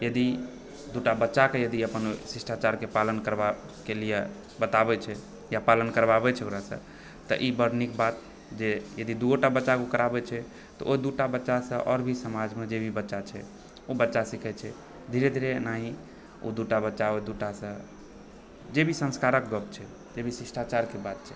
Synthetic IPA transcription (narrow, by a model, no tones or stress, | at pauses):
jəd̪i | d̪uʈabətːʃakejəd̪iəpənsisʈʰat͡ʃaɾkepalənkəɾbakelije | bət̪abɛt͡ʃʰɛ | japalənkəɾbabɛt͡ʃʰɛokɾasə̰̃ | t̪ə̰ʔibəɾnikbat̪̚ | d͡ʒejəd̪id̪uoʈabətːt͡ʃakukəɾabɛt͡ʃʰɛ | t̪ɔ̰ʔoid̪uʈabətːʃasə̃ʔɔɾbʱisəmad͡ʒmed͡ʒebʱibətːʃat͡ʃʰɛ̰ | obətːʃasikʰɛt͡ʃʰɛ | d̪ʱiɾed̪ʱiɾenaɦĩ | o̰d̪uʈabətːʃaod̪uʈasə̃ | d͡ʒebʱisə̃nskaɾəkɡəpt͡ʃʰɛ | d͡ʒebʱisisʈʰat͡ʃaɾkebad̪̚t͡ʃʰɛ